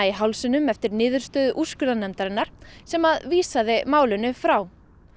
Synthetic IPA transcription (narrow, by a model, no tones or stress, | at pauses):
iɦawlsɪnʏmɛft̪ɪɾnɪːðʏɾ̥st̪œːðʏʔuskʏɾðanɛmt̪aɾɪnːaɾ̥sɛmaðviːsaðɪmaːwlʏnʏfɾaw